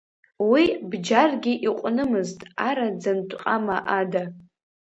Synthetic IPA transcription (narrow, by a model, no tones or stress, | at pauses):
wibd͡ʒarɡʲiʔiqʷʼnɨmɨztʼaɾad͡zantʷʼqʼamaʔada